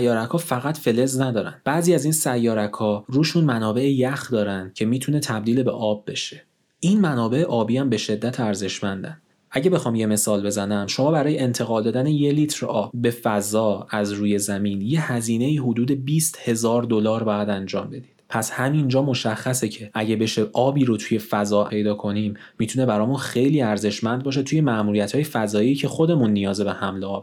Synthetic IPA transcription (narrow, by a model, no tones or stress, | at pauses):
jːɒːɾækʰɒːfæɣæt̪fe̞le̞znæd̪ɒːɾæ̰nb̥æʔziːæzinsæjːɒːɾækʰɒɾuːʃunmænɒːbe̞ʔejæxd̪ɒːɾænd̪̥cʰe̞miːt̪ʰune̞t̪ʰæb̚d̪iːlebḛʔɒːbːe̞ʃe̞̥ | ʔinmænɒːbe̞eʔɒːbiːhæmbe̞ʃe̞d̪ːæt̪ʰæɾze̞ʃmænd̪æn | ʔæɟebe̞xɒːmje̞me̞sɒːlbe̞zænæmʃo̞mɒːbæɾɒːjeent̪ʰe̞ɣɒːld̪ɒːd̪æneje̞liːt̪ʰɾɒːbːe̞fæzɒːæzɾuːje̞zæmiːnje̞hæziːne̞iːɦod̪uːd̪e̞biːst̪he̞zɒːɾd̪o̞lɒːɾbɒːjæd̪ænd͡ʒɒ̰ːmbe̞d̪̥iːd̥̪pʰæshæmind͡ʒɒːmo̞ʃæχːæsecʰe̞ʔæɟebe̞ʃe̞ʔɒːbiːɾot̪ʰuje̞fæzɒːe̞jd̪ɒːkʰo̞nimːiːt̪ʰune̞bæɾɒːmunxe̞jliːæɾze̞ʃmænd̪̚bɒːʃ̬e̞t̪ʰuːje̞mæʔmuːɾijæt̪hɒːje̞fæzɒːiːcʰe̞xo̞d̪e̞munːijɒːzebe̞hæmleɒːb̥